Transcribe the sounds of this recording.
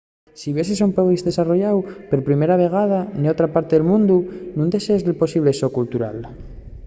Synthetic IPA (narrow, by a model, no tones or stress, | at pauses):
siβes̬esampoɣizðe̞saroʝawpeɾpɾimeɾaβe̞ɣ̞aðaniot̪ɾapaɾt̪eðelmũnd̪unũnd̪e̞seezðelpo̞siβ̞lesokult̪uɾa̰l